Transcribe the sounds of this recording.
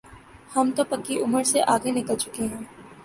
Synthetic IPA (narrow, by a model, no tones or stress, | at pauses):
hɐmt̪opɐkːiʔʊməɾseʔaːɡenɪkəlt͡ʃʊkeɦɛ̃ː